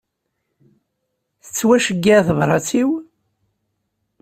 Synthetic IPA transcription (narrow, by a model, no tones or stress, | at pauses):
θə̥t͡sːwæʃəɡːæθəvɾˤɑt͡sːiw